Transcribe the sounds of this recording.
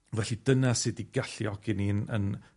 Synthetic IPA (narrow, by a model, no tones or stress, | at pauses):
vɛɬidənasiːdiɡaɬjɔɡ̥ɪninə̰n